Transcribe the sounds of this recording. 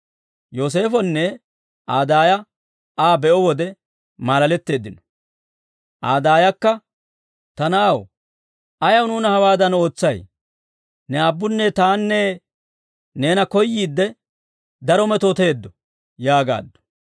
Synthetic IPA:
jo̞ːs̬e̞ːfɔnːɛ | ʔaːd̪aːjɐ | aːbɛɔwɔd̪ɛ | maːlɐlɛt̪ːe̞ːd̪ɪnɔ̥ | ʔaːd̪aːjɐkːɐ | t̪ɐnaːw | ʔɐjɐwnuːnɐhɐwaːd̪ɐno̞ːt͡sːɐj | nɛɐbːʊnːɛt̪aːnːɛ | ne̞ːnɐkɔjːiːd̪ːɛ | d̪ɐɾɔmɛt̪ot̪eːd̪ːɔ | jaːɡa̰ːd̪ːɔ̥

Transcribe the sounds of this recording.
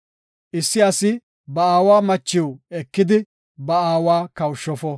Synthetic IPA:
ʔɪsːɪɐsɪ | bɐaːwaːmɐt͡ʃːɪwɛkːɪd̪ɪ | bɐaːwaːkɐwʃːɔfɔ

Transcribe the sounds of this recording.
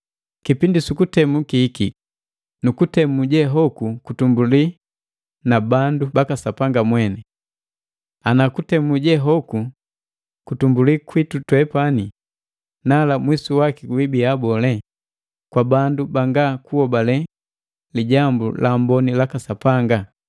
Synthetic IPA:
kipindisukutɛmukiːki | nukutɛmuɟɛɦɔkukutumbuli | nabandubakasapaŋɡamwɛnɛ | anakutɛmuɟɛɦɔku | kutumbulikwitutwɛpani | nalamwisuwakiwibiabɔlɛ | kwabandubaŋɡakuhɔbalɛ | liɟambṵlʔambɔnilakasapaŋɡa

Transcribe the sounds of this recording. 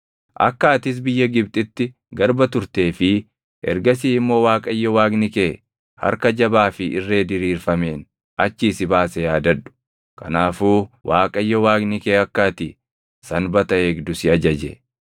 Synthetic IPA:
ʔɐ̰kːaːt̪ɪs̬bɪjːɐɡɪb̚t̪ʼɪt̪ːɪ | ɡɐɾbɐt̪ʊɾt̪e̞ːfɪ | ʔɛ̰ɾɡɐsiːɪmːo̞ːwaːkʼɐjːɔwaːɡnɪkeː | hɐ̰ɾkɐd͡ʒɐbaːfɪʔɪ̰rːe̞ːd̪ɪɾiːɾfɐme̞ːn | ɐt͡ʃːiːsɪbaːsɛjaːd̪ɐᶑʊ̥ | kɐ̰naːfuːwʔaːkʼɐjːɔwaːɡnɪkeːɐkːaːt̪ɪ | sɐnbɐt̪ɐeːɡd̪ʊsɪɐd͡ʒɐd͡ʒɛ̰

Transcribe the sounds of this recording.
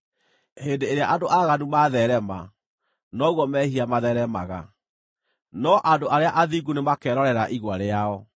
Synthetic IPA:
heːndeːɾeaʔadoʔaɣanumaðɛɾɛma | nɔɣwɔmɛhiamaðɛɾɛma̰ɣa̰ | nɔʔadoʔaɾeaʔaðiɡunemakɛɾɔɾɛɾaʔiɣwaɾeaɔ

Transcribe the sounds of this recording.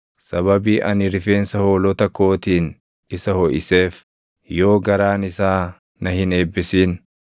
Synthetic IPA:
sɐβɐbiːʔɐnɪɾɪfe̞ːnsɐho̞ːlɔt̪ɐkːo̞ːt̪iːn | ɪsɐhɔʔɪseːf | jo̞ːɡɐɾaːnɪsaː | nɐhɪne̞ːbːɪsiːn

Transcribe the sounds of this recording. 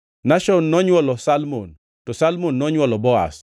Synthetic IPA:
naʃɔnːɔɲwɔlɔsalmo̰n | tɔsalmonːɔɲwɔlɔbɔa̰s

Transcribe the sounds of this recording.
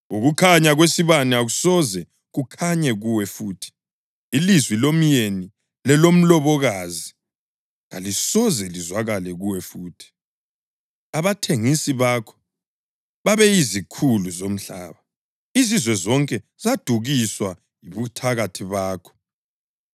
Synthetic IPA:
uɣukʰaɲaɣwesiβaniaɣusɔzɛ | ɣukʰaɲɛɣuwɛfuːtʰi̥ː | lizwilomjeni | lɛlom̩lɔβɔɣaːzi | ŋa̰lisɔzɛlizwaɣalɛɣuwɛfuːtʰi̥ | aβatʰeŋisiβakʰɔ̥ | βaβɛizikʰuluzom̩ɬa̰ːβa | izizwɛzɔŋkʼɛ | z̥ad̥ʱuɣiswa | iβutʰaɣatʰiβaːkʰɔ̥

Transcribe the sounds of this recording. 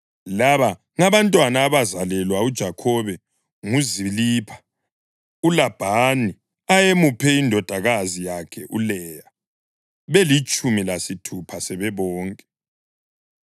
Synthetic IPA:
laβa | ŋaβantʼwanaːβazalɛlwaud̥ʒ̥ʱakʰɔβɛ | ŋuziliːpʰḁ | ulab̥ʱani | ajemupʰɛindʱɔd̥ʱaɣazijakʰɛʔulɛːja | βelit͡ʃʼumilasitʰupʰasɛβɛβɔːŋkʼɛ

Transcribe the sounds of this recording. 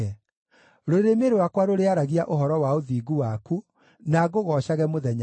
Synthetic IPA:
ɛ | ɾoɾemeɾowakwaɾoɾeaɾaɣiaʔoɦɔɾɔwaoðiːɡuwaku | naɣoɣɔʃaɣɛmoðɛɲa

